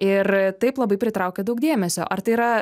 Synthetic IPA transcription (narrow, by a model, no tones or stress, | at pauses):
ɪrt̪ɐɪplˠɐbɐɪpʲɾʲɪt̪ɾɐʊkʲeːd̪ɐʊk̚d̪ʲiɛmʲɛsʲo̰ːʔɐɾt̪ɐɪiɾɐ